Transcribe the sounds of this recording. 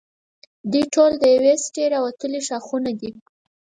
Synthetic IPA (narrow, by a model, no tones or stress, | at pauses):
d̪ijʈʰold̪əjawesʈeɾɑwat̪əliʃɑxunad̪i